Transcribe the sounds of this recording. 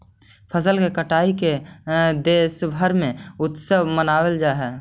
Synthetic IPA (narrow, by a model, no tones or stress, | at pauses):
pʰəs̬əlkekəʈaːiked̪eːʃbʱəɾmẽʊt̪səmənaːwəld͡ʒaːɦɛː